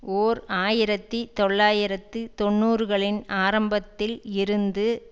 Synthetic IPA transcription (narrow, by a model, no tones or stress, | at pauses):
oːɾaːjɪɾɐt̪ːit̪ɔɭːaːjɪɾɐt̪ːɯt̪ɔɳːuːɾɯɣɐɭɪnaːɾɐmbɐt̪ːɪlɪɾɯnd̪ɯ